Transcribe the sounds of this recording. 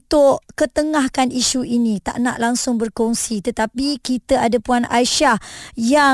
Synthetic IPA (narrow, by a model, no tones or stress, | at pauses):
t̪ʊʔkət̪əŋahkaniʃuʔinĩt̪a̰ʔnaʔlaŋsʊŋbərkɔŋsit̪ət̪apikit̪əadapuanʔajʃahja